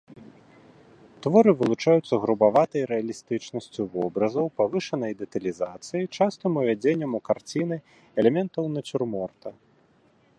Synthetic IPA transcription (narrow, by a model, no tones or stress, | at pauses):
t̪vɔɾɨvɨlˠut͡ʂajut̪sːɐɣɾubavat̪ɐjɾɛɐlʲist̪ɨt͡ʂnɐsʲt͡sʲuvɔbɾɐzɐwpavɨʂɐnɐjd̪ɛt̪ɐlʲizat̪sɨjit͡ʂast̪ɨmuvʲad͡zʲenʲːɐmukart͡sʲinɨ | ɛlʲɛmʲɛnt̪ɐwnɐt͡sʲurmɔrt̪ɐ